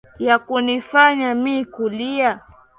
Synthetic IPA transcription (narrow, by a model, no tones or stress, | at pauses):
jakunifaɲamiːkulia